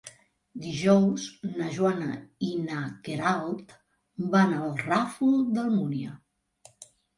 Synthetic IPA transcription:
d̪iʒɔwznəʒwanə̰inakeɾalˠt̪ | banəlˠrafuld̪əlˠmuniə

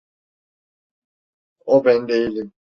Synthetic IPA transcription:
ɔbɛndeilɛ

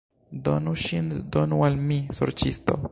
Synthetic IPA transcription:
do̞nuʃindo̞nualmisoɾt͡ʃisto̞̰

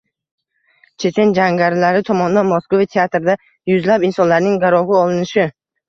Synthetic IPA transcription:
t͡ʃʰe̞t͡ʃ̪ʰe̞nd͡ʒaŋɡʲaɾɪlaɾɪt̪ʰɒmɒnd̪anmɒskovit̪ʰeat̪ɾɪd̪a | jʊzlapɪnsɒnlaɾnɪŋɡaɾɒʁɪɒlˠɪnɪʃɪ

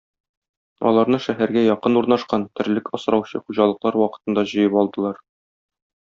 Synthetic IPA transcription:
ɒ̰lˠɑɾnɤʃæɦæɾɡæjɒqɤnuɾnɑʃqɑnt̪ɘ̆ɾlɘkɒsɾɑwɕɤχuʑɑlˠɤ̆qlˠɑɾwɒqɤ̥̆t̪ɤ̆nd̪ɑʑɤ̆jɤpɒlˠd̪ɤ̆lˠɑɾ

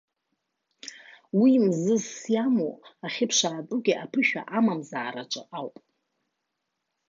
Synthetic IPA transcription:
wimzɨzsjamo̰aχʲɪpʰʂaːt͡sʼʊɡʲɪʔapʰɨʃᶣa̰ʔamamzaːɾaʈ͡ʂʷʼɨ̰ʔawpʼ

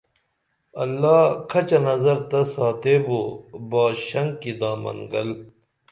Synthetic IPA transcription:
ɐlːaːkʰɐt͡ɕɐnɐzɐɾt̪ɐsaːt̪eːboːbaːɕɐŋkid̪ãːmɐ̰ŋɡɐ̰l

